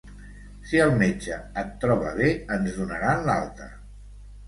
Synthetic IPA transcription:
siəlˠmed͡ʒəət̪ːɾɔβəβ̞eənzðunəɾanlalˠt̪ə̰

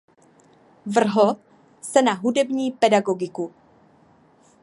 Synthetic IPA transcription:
vr̩ɦo | sɛnaɦudɛbɲiːpɛdaɡo̞ɡɪku

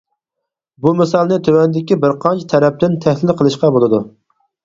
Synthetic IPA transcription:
bumɪsɑlˠnɨt̪ʰøwɛnd̪ɪkʲibɪɾqʰɑnt͡ʃʰi̥t̪ʰɛɾɛp̚t̪ɪnt̪ʰæhlɪlqʰəlˠɨʃqɑbolˠɨd̪u

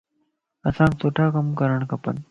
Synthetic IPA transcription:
ɐsãːkt̪ʰoːʈʰaːkɐmkɐɾəɳ̃kɐpə̰n

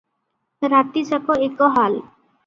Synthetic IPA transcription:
ɾat̪id͡ʒakɔekɔɦal

